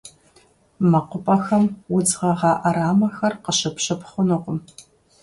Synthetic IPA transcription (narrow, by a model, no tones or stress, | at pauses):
mɐqʷʊpʼɐxɐmwʊd͡zʁɐʁɑːʔɐɾaːmɐxɐrqəɕɪpɕɨpχʷʊnɨqʷʊm